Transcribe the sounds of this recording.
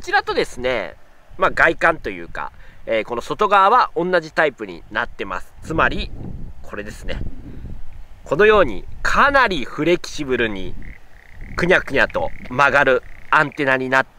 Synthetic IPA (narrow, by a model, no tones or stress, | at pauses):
ko̥t͡ɕiɾat̪o̞d̪e̞sɨne̞̰ | maɡaikãnt̪o̞jɯ̟̰ːka̰eːko̞no̞so̞t̪o̞ɡaβaβaʔõ̞nːaʑit̪aipɯ̟ɲ̟ḭnat̪ːe̞ma̰sɨ̥t͡sɨmaɾʲikʰo̞ɾe̞d̪e̞sɨne̞̰ | ko̞no̞jo̞ːɲ̟ḭkʰanaɾʲiɸɯ̟ɾe̞kʲi̥ɕibɯ̟ɾɯ̟ɲ̟ḭ | kɯ̟ɲ̟akɯ̟ɲ̟ʲat̪o̞̰maɡaɾɯ̟ãnt̪e̞naɲ̟inat̪ː